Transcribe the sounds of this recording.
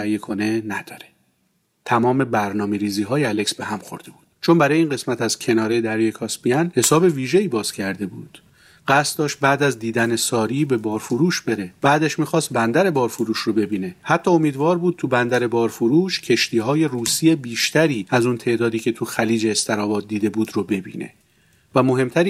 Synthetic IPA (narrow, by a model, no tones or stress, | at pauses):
jekʰo̞ne̞næd̪̥ɒːɾe | t̪ʰæmɒːme̞bæɾnɒːme̞ɾiːziːɦɒːjeæle̞ksbeɦæmxo̞̰ɾd̪e̞buːd̪̥t͡ʃʰo̞nbæɾɒːjeiːnɢe̞smæt̪æz̥cʲʰe̞nɒːɾed̪æɾijekʰɒːsbiænhe̞sɒːbe̞viːʒe̞iːbɒːz̥cʰæɾd̪e̞buːd̪̥ | ɢ̥æst̪̚d̪ɒːʃt̪̚bæːd̪æzd̪iːd̪æne̞sɒːɾiːbe̞bɒːɾfoɾuːʃbe̞ɾe̞b̥æːd̪eʃmiːxɒːst̪̚bænd̪æɾe̞bɒːɾfoɾuːʃrobe̞biːne̞hæt̪ʰːɒːomiːd̪vɒːɾbuːd̪̚t̪ʰubænd̪æɾe̞bɒːɾfoɾuːʃcʰe̞ʃt̪ʰiːɦɒːje̞ruːsiebiːʃt̪ʰæɾiːæzunt̪ʰe̞ʔd̪ɒːd̪iːcʰe̞t̪ʰuxæliːd͡ʒe̞ːst̪ʰeɾɒːvɒːd̪̚ːiːd̪e̞buːd̪robe̞bḭːnḛ | væmo̞ɦe̞mt̪ʰæɾi